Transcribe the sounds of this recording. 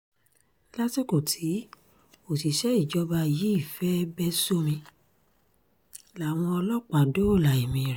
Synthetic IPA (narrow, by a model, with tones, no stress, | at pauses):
la˦ti˦ko˦˨tʰi˨˦ | o˦˨ti˨ʃɛ˦i˦˨d͡ʒɔ˨˦ba˧˨ji˨˦i˦˨fɛ˦bɛ˦so˦mĩ˧ | la˨w̃ɔ̃˧ɔ˧lɔ˦k͡pa˨do˦˨la˨i˨mĩ˧˨ɾɛ˨